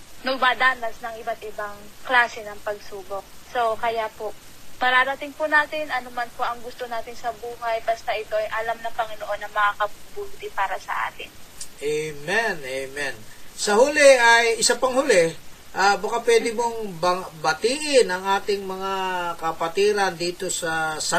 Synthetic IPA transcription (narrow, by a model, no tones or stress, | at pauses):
nʊŋmad̪aːnɐsnɐŋʔɪbat̪̚ʔɪbaŋklaːsɛnɐŋpɐɡ̚suːbo̞k̚so̞kɐjapo̞ʔ | pɐɾaːɾɐt̪ɪŋpʊnaːt̪ɪnʔɐnomɐnpoʔɐŋɡʊst̪onaːt̪ɪnsɐbuːɦajbɐst̪aʔɪt̪o̞ʔɐjʔɐlamnɐŋpɐŋɪnoʔo̞nːɐŋmɐŋakɐbubult̪ɪpaːɾɐsɐ̰ʔa̰ːt̪ɪnʔejmɛnʔemɛnsɐhʊlɛʔɐjɪsapɐŋhʊlɛʔabɐkapwɛːd̪ɪmoŋbɐbɐt̪iːʔɪnɐŋʔaːt̪ɪŋmɐŋakɐpɐt̪iːɾɐnd̪iːt̪o̞sɐsɐ